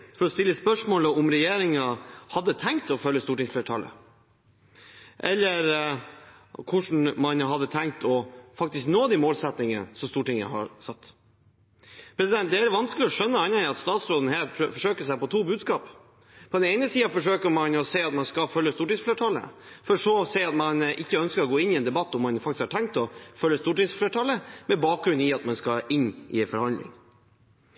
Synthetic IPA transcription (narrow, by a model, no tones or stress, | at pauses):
fɔɾɔst̪ɪlːəspœʂmoːləɔmɾɛjeːɾɪŋɑhɑd̪ːət̪ʰɛŋk̚t̪ɔfœlːəst̪uːʈɪŋsfleːʈʰɑlə̰ | ʔɛlːəɾ | kʰʊʂɳ̩mɑnɦɑd̪ːət̪ʰɛŋk̚t̪ɔfɑk̚t̪ɪsknoːd̪ɛmoːlsɛt̪nɪŋə̰sɔmst̪uːʈɪŋə̰hɑ̰ɾsɑt̪ː | pʰɾɛsɪd̪ɛnt̪̚d̪ɛæɾʋɑnskəlɪɔʂœnːəɑnːɑɑt̪st̪ɑːt̪sɾoːd̪ən̩hæːɾfɔʂøːkəsæɪpɔt̪ʰuːbʉːd̪skɑːp | pʰɔd̪ɛnɛɪnəsiːɑfɔʂøːkəɾmɑnɔseːɑt̪mɑnskɑfœlːəst̪uːʈisfleːʈʰɑlːə̰ | fɔɾɔʂɔsɛɪɑt̪mɑnʔɪçːəœnskəɾɔɡoːɪnːɪɛnd̪ɛbɑt̪ːɔmːɑnfɑk̚t̪ɪskhɑʈʰɛŋkt̪ɔfœlːəst̪uːʈisfleːʈʰɑlːəmɛbɑːk̚ɡɾʉnːɪɑt̪mɑnskɑɪnːʔɪfɔɾhɑnd̪lɪ̰ŋ